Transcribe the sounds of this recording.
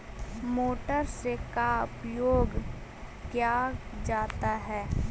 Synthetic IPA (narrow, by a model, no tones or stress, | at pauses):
moːʈəɾsekaʊpjoːɡ | kjaːd͡ʒaːt̪aɦɛː